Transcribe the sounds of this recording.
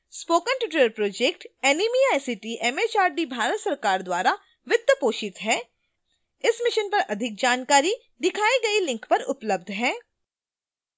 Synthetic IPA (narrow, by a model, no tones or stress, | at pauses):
spoːkə̃nʈɪʈ̬ɪɾəɾpɾoːd͡ʒeːkʈɛːnimiaːjsiʈiʔɛːmeːt͡ʃaːɾɖibʱaːɾət̪sɐɾkaːɾd̪waːɾa | ʋɪt̪ːəpoːʃɪt̪ɦɛː | ɪsmɪʃənpɐɾɐd̪ʱɪk̚d͡ʒaːnkaːɾi | d̪ɪkʰaːiɡɐilɪ̃ŋkpɐɾʊpləb̚d̪ʱɦɛ̃ː